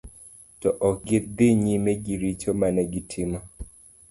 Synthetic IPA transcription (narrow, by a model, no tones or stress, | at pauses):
tɔʔɔɡɪd̪ɪɲimɛɡiɾit͡ʃomanɛɡitʰɪma